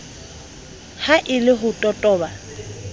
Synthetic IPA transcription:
haʔɪlɪɦʊtʼɔtʼɔːba

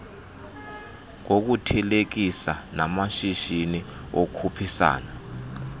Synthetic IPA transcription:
k̬ok̬utʰɛlek̬isanamaʃiʃiniokʰupʰisa̰ːna

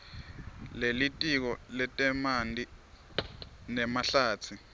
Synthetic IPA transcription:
lelitʼik̬ɔlɛtʼɛmandi | nɛmaɬaːt͡sʰi

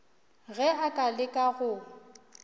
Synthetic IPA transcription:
ɣɛakʼalɪkʼaɣʊ

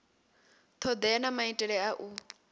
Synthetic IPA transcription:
t̪ʰɔd̪ɛanamaitʼɛɺɛaʔu

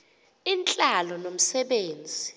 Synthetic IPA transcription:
int͡ɬʼalɔnom̩sɛɓeːnd͡zʱi

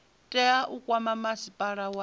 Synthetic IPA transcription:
tʼɛaʔukʼwamamasipʼaɺawa

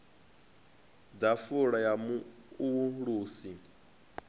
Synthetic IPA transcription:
d̪afuɺajamu | uwuɺuːsi

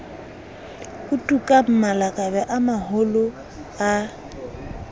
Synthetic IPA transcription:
ʊtʼukʼam̩malakʼabɛʔamahʊlʊ | a

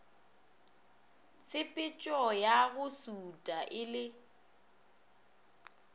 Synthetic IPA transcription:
t͡sʰʼɪpʼɪt͡ʃʼɔjaɣʊsutʼaʔɪlɪ

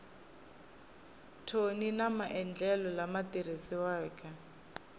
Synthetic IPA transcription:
tʰoninamaʔɛnd͡ɮɛlɔlamatiɾesiwaːkʰʼa

